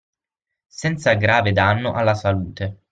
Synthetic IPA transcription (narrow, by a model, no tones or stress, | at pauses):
sɛnt̪saɡɾaːved̪anːoʔalːasaluːt̪e